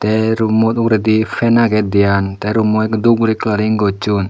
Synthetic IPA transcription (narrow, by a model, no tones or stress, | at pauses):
t̪ɛɾumɔt̪ukɾɛd̪ipʰɛnaɡɛd̪ijant̪ɛɾumɔkd̪ubuɾiklaɾiŋɡɔt͡ʃun